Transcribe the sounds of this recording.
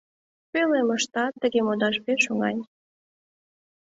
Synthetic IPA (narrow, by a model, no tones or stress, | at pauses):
pølemə̆ʃt̪ɑt̪ːə̆ɣemod̪ɑʃpeʃuŋɑ̰nʲ